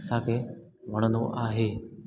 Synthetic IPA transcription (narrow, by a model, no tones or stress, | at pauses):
sãːkʰeʋəɽ̃ənd̪oʔaːɦeː